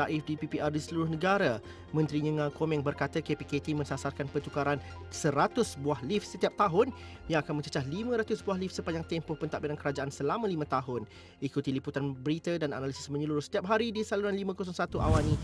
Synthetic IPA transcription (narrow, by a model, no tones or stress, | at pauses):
aʔifdipipiʔardisəluɾʊhnəɡaɾa | mə̃nt̪ɾiɲəŋãkomɛ̃ŋbərkat̪əkepiket̪imə̃sasarkanpərt̪ukaɾan | səɾat̪ʊsbuahlifsət̪iap̚t̪aɦʊnjaŋakanmə̃ɲt͡ʃə̥t͡ʃahlimə̃ɾat̪ʊsbuaɦlifsəpaɲd͡ʒaŋt̪ɛmpɔhpənt̪aʔbidankəɾad͡ʒaʔansəlamə̃limãt̪aɦʊn | ikut̪iliput̪anbəɾit̪adana̰nalisɪ̥smə̃ɲəluɾʊhsə̥t̪iap̚ɦaɾidisaluɾanlimãkɔsɔŋsat̪uʔa̰wanĩ